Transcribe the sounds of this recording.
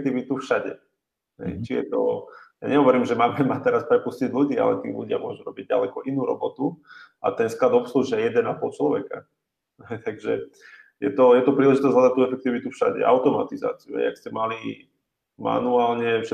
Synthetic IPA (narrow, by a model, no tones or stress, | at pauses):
t̪iːʋit̪ufʃaɟɛ̰ | ɦɛ̰jt͡ʃijɛ̰t̪ɔ̰ja̰ɲɛɦɔʋɔɾiːmʒɛmaːmɛmat̪ɛɾaspɾɛpusciɟʎuɟiːa̰lɛ̰t̪ḭːluɟɪa̰mʊɔʒuɾɔbiɟ̚ɟa̰lɛkɔʔinuːɾɔ̰bɔt̪uʔa̰t̪ɛnsklad̪ɔpsluʒɛɛjɛd̪ɛnapɔlt͡ʃlɔʋɛka̰ | ɦɛjt̪aɡʒɛ | jɛt̪ɔjɛt̪ɔpɾiːlɛʒit̪ɔzʲɦlad̪at̪uːɛfɛk̚t̪iːʋit̪ufʃa̰ɟɛ̰ʔaʊt̪ɔma̰t̪iza̰ːt͡siuɦɛ̰ɪjakscɛmali | ma̰nuaːlɲɛfʃɛ